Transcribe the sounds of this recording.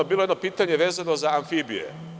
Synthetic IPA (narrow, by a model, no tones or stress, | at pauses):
obilojed̪nopiːt̪aɲe̞ʋeːzano̞zaanfibḭjḛ